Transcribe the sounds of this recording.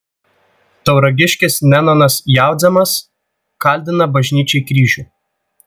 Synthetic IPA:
t̪ɐʊɾɐɡʲɪʃʲkʲɪsnʲɛnɔnɐsjæˑʊd̪zʲɛmɐs | kɐlʲd̪ʲɪnɐbɐʒʲnʲiːt͡ʃʲɛɪkɾʲiːʒʲuːˑ

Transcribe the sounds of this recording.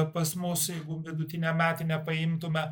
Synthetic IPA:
pɐsmʊsjɛɪɡʊʋʲɪd̪ʊt̪ʲɪnʲɛmʲæːt̪ʲɪnʲɛpɐɪmt̪ʊmʲɛ

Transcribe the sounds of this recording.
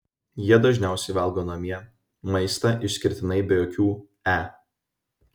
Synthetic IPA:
jiɛd̪ɐʒʲnʲæˑʊsʲɛɪʋɐlˠɡoːnɐmʲiɛ | mɐɪst̪ɐʔɪʃʲsʲkʲɪɾʲt̪ʲɪnɐɪbʲɛjoːkʲuː | æː

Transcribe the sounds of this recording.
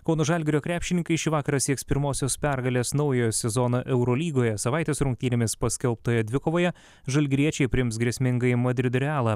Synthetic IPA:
kɔʊnoʒɐlʲɡʲɪɾʲoːkɾʲæːpʲʃʲɪnʲɪŋkɐɪʃʲɪʋɑːkɐɾɐsʲiɛkspʲɪɾmoːsʲoːspʲæɾɡɐlʲeːsnɒʊjoːjɛsʲɛzɔːnoːʔɛʊɾoːlʲiːɡoːjɛsɐʋɐˑɪt̪ʲeːsɾʊŋk̚ʲt̪ʲiːnʲemʲɪspɐsʲkʲɛlˠp̚t̪oːjɛd̪ʲʋʲɪkoːʋoːjɛ | ʒɐlʲɡʲɾʲiɛt͡ʃʲɛɪpʲɾʲɪɪms̬ɡɾʲiɛsʲmʲɪŋɡɐɪmɐd̪ʲɾʲɪd̪ʊɾʲɪɑːlˠɐ

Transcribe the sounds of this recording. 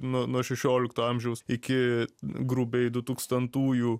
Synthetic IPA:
nunuɔʃʲɛʃʲoːlʲɪkt̪uːɐmʲʒʲɛʊsɪkʲɪɡɾubʲɛɪd̪ʊt̪uːkst̪ɐnt̪uːjuː

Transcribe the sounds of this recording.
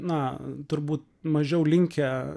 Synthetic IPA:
nɐt̪ʊɾbuːt̪̚ | mɐʒʲɛʊlʲɪŋʲkʲɛ

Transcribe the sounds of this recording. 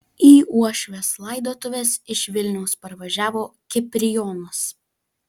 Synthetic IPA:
iːuɔʃʲʋʲeslˠɐɪd̪oɔt̪ʊʋʲeːsɪʃʋʲɪlʲnʲɛʊspɐɾʋɐʒʲæːʋoːkʲɪpʲɾʲɪjɔːnʊs

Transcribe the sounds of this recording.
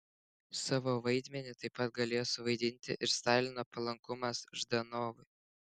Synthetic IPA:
sɑːʋoːʋɐɪd̪ʲmʲɛnʲɪt̪ɐɪpːɐt̪̚ɡɐlʲeːjoːsʊʋɐɪd̪ʲɪnʲt̪ʲɪ̰ʔɪɾst̪ɑːlʲɪnoːpɐlˠɐŋkʊmɐsʒd̪ɐnoːʋʊɪ

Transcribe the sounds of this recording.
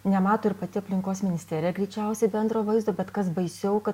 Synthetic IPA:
nʲɛmɑːt̪oːɪɾpɐt̪ʲɪɐpʲlʲɪŋkoːsmʲɪnʲɪst̪ʲeːɾʲɪjɛɡɾʲiːt͡ʃʲɛʊsʲɛɪbʲɛnd̪ɾoːʋɐɪzd̪oːbʲɛt̪kɐsbɐɪsʲɛʊkɐt̪

